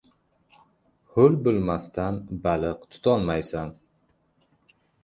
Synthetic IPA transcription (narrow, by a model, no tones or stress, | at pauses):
hʊlbʊlmast̪ʰanbalɨqt̪ʰʊ̥t̪ʰɒnmajsan